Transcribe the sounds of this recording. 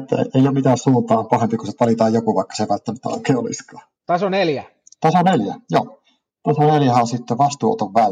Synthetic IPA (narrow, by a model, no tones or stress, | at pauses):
t̪ːæḛieˑijˑoːmit̪æːssuːnt̪ɑːmpɑhempikusit̪ʋɑlit̪ɑːjjokuʋɑˑikːɑ̥seiʋælt̪ːæmːæt̪ːæɑ̰ˑŋkeˑolḭskˑɑ̥ː | t̪ɑsoneljæ | t̪ɑsoneljæjoː | t̪ɑsoneljæhɑːnsit̪ːeʋɑst̪uːo̰t̪oʋʋæl